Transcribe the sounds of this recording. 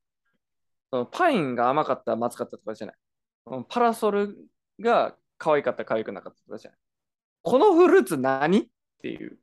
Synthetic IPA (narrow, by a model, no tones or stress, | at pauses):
so̞no̞pʰãĩŋɡaːmakat̪ːamat͡sɨ̥kat̪ːat̪okoʑa̰na̰i | sonopʰaɾaso̞ɾɯ̟ | ɡa | kʰaβaikat̪ːakaβajikɯ̟nakat̪ːḁt̪okʑa̰nai | kʰo̞noɸɯ̟ɾɯt͡sɨnaɲ̟i | t̪ʰːe̞̰jɯ̟̰ː